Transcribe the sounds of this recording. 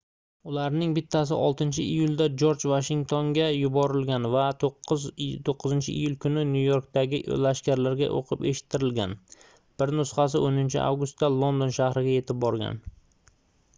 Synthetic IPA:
ʊlaɾnɪŋbɪt̪ʰːas̬ɪʔɒlˠt̪ɪnt͡ʃʰɪʔijʊld̪ad͡ʒoɾd͡ʒvaʃɪŋt̪ʰoŋɡʲajʊbɒɾɪlɡʲanvat̪ | t̪ʰoqʰːɨzɪnt͡ʃʰɪʔḭjʊlkʰʊnɪnjujo̞ɾk̚t̪aɡʲɪlaʃkʲaɾlaɾɡʲa̰ʔo̰qʰɨpeʃɪ̥t̪ʰːɪɾɪlɡʲa̰n | b̥ɪɾnʊsχɑs̬ɪʔonɪnt͡ʃʰɪ̰ʔa̰wɡʊst̪ːalˠo̞nd̪o̞nʃahɾɪɡʲaje̞t̪ʰɪp̚bɒɾɡʲa̰n

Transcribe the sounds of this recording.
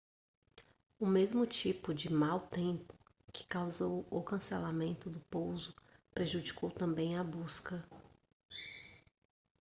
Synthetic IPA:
ʊmezmʊt͡ʃipʊd͡ʒɪmawt̪ẽpʊ̥ | kʰɪ̥kawzowʊkɐ̃selamẽnt̪ʊd̪ʊpowzʊpɾeʒud͡ʒikowt̪ɐ̃mbẽj̃abuskɐ

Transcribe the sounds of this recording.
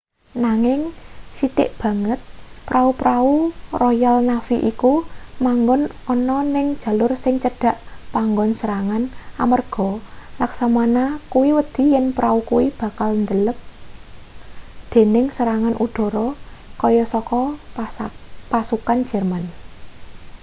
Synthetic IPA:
naŋɪŋsit̪ɪ̰ʔb̥ä̤ŋət̪̚pɾʔaupɾaurɔjalnafiʔikumaŋɡɔnɔnɔnɪŋd̥ʒ̥a̤lʊrsɪŋt͡ʃəɖ̥a̤ʔpaŋɡɔnsəɾaŋanʔamərɡ̥ɔ̤laksamanakuwiwəd̪̥i̤jɛnpɾaukuwib̥ä̤kalnd̪ələp̚ | d̪̥e̤nɪŋsəɾaŋanʔud̪̥ɔ̤ɾɔkɔjɔsɔkɔ | pasukan̥d͡ʒ̥ɛ̤rman

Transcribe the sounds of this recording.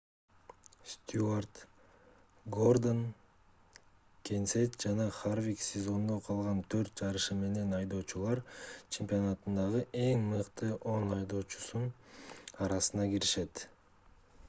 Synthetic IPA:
st̪ʲuart̪ | ɡo̞rd̪on | kʲenset̪d͡ʒɑnɑχarvʲiksʲezo̞nd̪o̞qʰɑlˠʁɑnt̪ʰøɾt̪̚d͡ʒɑɾɯʃɯme̞ne̞nɑjd̪o̞ːt͡ʃulˠɑɾt͡ʃʰempʲijo̞nɑt̪ɯnd̪ɑʁɯʔe̞ŋmɯqt̪ɯʔo̞nɑjd̪o̞ːt͡ʃu̥sun | ɑɾɑsɯnɑɡiɾiʃe̞t̪

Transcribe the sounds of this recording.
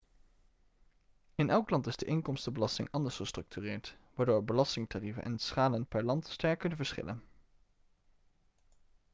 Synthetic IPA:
ɪnʔɛlˠklɑntɪzdəʔɪŋkɔmstəbəlɑstɪ̰ŋɑndəɹsχəstrɵk̚tyːrɪːɹtʋaːɹdoːɹbəlɑstɪŋtarivənʔɛ̰nsχaːlənpɛɹlɑntstɛɹkːɵnəvəɹsχɪ̰lə̰n

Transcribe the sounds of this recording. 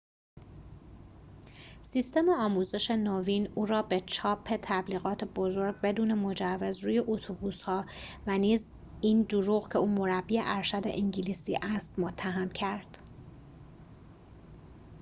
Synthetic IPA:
sist̪e̞meɒːmuːze̞ʃe̞noːviːnuːɾɒːbe̞t͡ʃʰɒːpʰːe̞t̪ʰæbliːɣɒːt̪ʰebo̞zo̞ɾɡ̚be̞d̪uːne̞mo̞d͡ʒævːe̞zɾuːje̞ʔot̪ʰubuːshɒːvæniːz | iːnd̪uɾuɣcʰeuːmo̞ɾæb̥ieʔæɾʃæd̪e̞̰ʔiɲɟilisiːʔæst̪mot̪ʰːæɦæmcʰæɾd̪̥

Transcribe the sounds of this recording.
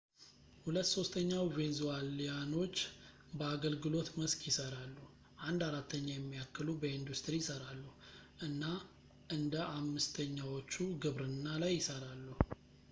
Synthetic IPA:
hulət̪ːso̞st̪ʰəɲːawvenzuwalijano̞t͡ʃː | bəaɡəlɡɨlo̞t̪məskʰjɪsəɾalːuh | ʔand̪aɾat̪ʰːəɲːajɛmːijakːɨlubəind̪ust̪ɾijɪsəɾalːuhʔɨnːa | ʔɨnd̪əʔamːɨst̪ʰəɲːawo̞t͡ʃːuɡɨβɾɨnːalajːɪsəɾalːuh

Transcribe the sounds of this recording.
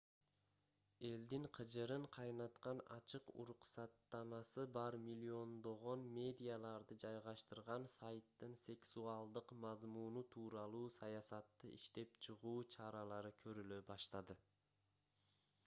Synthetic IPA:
e̞ld̪iŋqʰɯd͡ʒɯɾɯɴqʰɑjnɑt̪qɑnɑt͡ʃɯqṵɾuqsɑt̪ːɑmɑsɯbɑɾmʲilʲːio̞nd̪o̞ʁo̞nmʲe̞d̪ʲijalˠɑɾd̪ɯd͡ʒɑjʁɑʃt̪ɯɾʁɑnsajt̪ːɯnsʲe̞ksuɑlˠd̪ɯqmɑzmunut̪ʰuːɾɑlˠuːsɑjɑsɑt̪ːɯʔḭʃt̪e̞pt͡ʃʰɯʁuːt͡ʃʰɑɾɑlˠɑɾɯkʰø̞ɾyløbɑʃt̪ɑd̪ɯ

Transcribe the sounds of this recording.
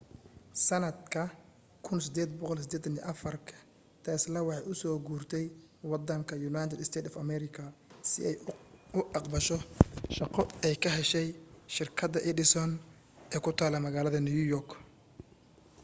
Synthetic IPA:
sɐnɐd̪kʰɐ | kʰʊnsɪd̪ɛːd̪bɔqɔlsɪd̪ɛːt̪ʰɐniʔɐfɐrkʰɐ̥ | t̪ʰɛːslɐwɑħɑjʊsɔːɡuːrt̪ʰɛj | wɑd̪ɐŋkʰɐjʊnaːjt̪ʰɛd̪ɪst̪ʰɛːt̪ɔfɐmɛɾɪkʰɐsɪ̰ɛjʊʔɑqbɐʃɔʃɑqɔɛjkʰɐɦɛʃɛjʃɪrkʰɐd̪ɐʔɪdɪsɔn | ɛːkʰʊt̪ʰaːlɐmɐɣaːlɐðɐnujujɔrk

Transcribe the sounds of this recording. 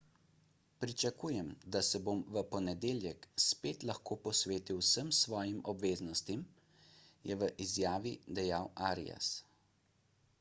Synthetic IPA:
pɾit͡ʃakuːjɛmd̪asɛbomʋəpɔnɛd̪eːljɛkspeːt̪laxkoːpɔsʋeːt̪iwsəmsʋɔːjimɔbʋeːznɔst̪im | jɛʋəʔizjaːʋid̪ɛjaːwaːɾḭja̰s

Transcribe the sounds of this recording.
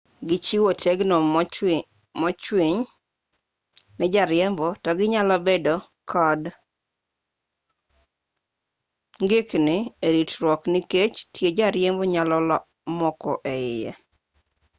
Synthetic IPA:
ɡɪt͡ʃiwotʰeɡno | mɔt͡ʃwiɲ | nɛd͡ʒaɾjɛmbɔtɔɡɪɲalɔbedo | kʰɔd | ŋɡɪknɪeɾitɾwɔkniket͡ʃtjed͡ʒaɾjɛmbɔɲalɔlɔ | mɔkɔʔeɪjɛ̰

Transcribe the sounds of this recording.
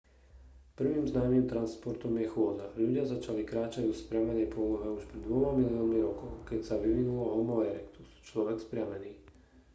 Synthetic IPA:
pr̩ʋiːmznaːmiːmt̪ɾanspɔɾt̪ɔmjɛxʊɔd̪aʎuɟɪazat͡ʃalikɾaːt͡ʃaɟɔspɾɪamɛnɛjpʊɔlɔɦɛuʃpɾɛd̪ʋɔmamiliɔnmiɾɔkɔʊkɛcsaʋiʋinulɔɦɔmɔʋɛɾɛkt̪u̥st͡ʃlɔʋɛkspɾɪamɛniː

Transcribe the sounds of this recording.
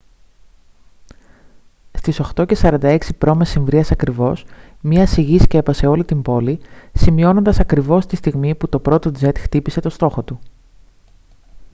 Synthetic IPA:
st̪iso̞xt̪o̞ce̞sɐɾɐnd̪ɐe̞ksipɾo̞mesiɱvɾiɐsɐkɾivo̞smɲɐsiʝisce̞pɐse̞o̞lit̪imbo̞lisimio̞no̞nd̪ɐsɐkɾivo̞st̪ist̪iɣmiput̪opɾo̞t̪o̞d͡ze̞t̪xt̪ipise̞t̪o̞st̪o̞xo̞t̪u

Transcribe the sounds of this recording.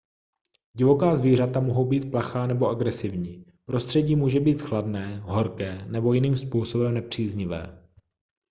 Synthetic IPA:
ɟɪvo̞kaːzviːr̝at̪amoɦo̞wbiːt̪̚plaxaːnɛbo̞ʔaɡɾɛsɪvɲiː | pɾo̞st̪r̝̥ɛɟiːmuːʒɛbiːt̪xladnɛːɦo̞ɾkɛːnɛbo̞jɪniːmspuːso̞bɛmnɛpr̝̥iːzɲɪvɛ̰ː

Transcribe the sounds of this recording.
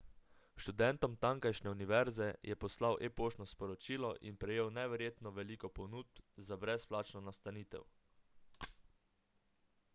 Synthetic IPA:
ʃt̪ud̪ɛnt̪ɔmt̪aŋkajʃnɛuniʋɛɾzɛjɛpɔslawʔepoːʃnɔspɔɾɔt͡ʃiːlɔʔḭnpɾɛjeːwnɛʋɛɾjeːt̪nɔʋɛliːkɔpɔnuːd̪̚zabɾɛsplaːt͡ʃnɔnast̪aniːt̪ɛ̰w

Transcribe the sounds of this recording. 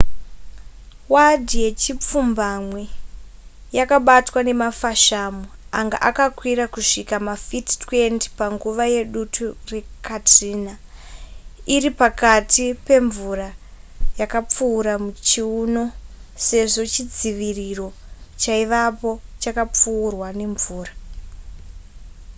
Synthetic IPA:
wadʱije̞t͡ʃip͡fumbamwe | jakaɓatwane̞mafaʃamoaŋɡa̰ʔakakwiɾakuʂikamafiti̥twe̞nti̥paŋɡuʋaje̞ɗutʰure̞kʰatriːna | iripakatipe̞ɱvuɾa | jakap͡fuːɾamut͡ʃiuno̞se̞ʐo̞t͡ʃid͡ziʋiriro̞t͡ʃaiʋapo̞t͡ʃakap͡fuːrwane̞ɱvuːra

